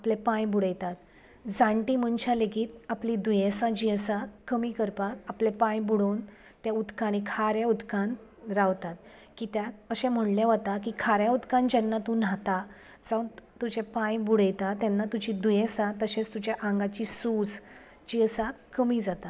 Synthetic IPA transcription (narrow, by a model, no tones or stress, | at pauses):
aplepãjbuɽəjt̪at̪ | d͡zãɳʈiməɳt͡ɕʰaleɡiːt̪aplid̪ujẽsãd͡ʑiəsakəmikəɾpakaplepãjbuɽoːn | t̪jaud̪kaɽ̃ikʰaɾjaud̪kanɾaʋt̪at̪ | kiːt̪jaəɕɛ̃m̤əɳlaʋət̪akiːkʰaɾjaud̪kand͡ʑɛnːat̪ũn̤at̪a | d͡zant̪ud͡ʑepãjbuɽəjt̪at̪jɛnːat̪ud͡ʑid̪ujẽsãt̪əɕẽt͡st̪ud͡ʑjaʔãŋɡat͡ɕiːsud͡z | d͡ʑiəsakəmiːd͡zat̪a